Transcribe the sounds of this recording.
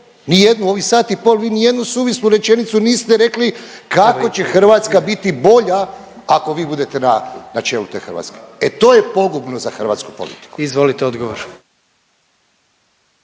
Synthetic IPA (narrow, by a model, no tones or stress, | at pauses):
nijed̪nuo̞ʋisaːt̪ipoːlʋiːnije̞d̪nusuːʋisnuɾe̞t͡ʃenit̪suniːst̪eɾe̞klikako̞t͡ɕe̞xrɾ̩ʋat̪skabit̪ibo̞ʎa | ako̞ʋiːbud̪e̞t̪enanat͡ʃe̞ːlut̪eːxɾr̩ʋa̰t̪ske̥et̪o̞ːjepo̞ɡubnozaxr̩ʋa̰t̪sku̥po̞̰lḭt̪i̥kuizʋolit̪eod̪ɡoʋoɾ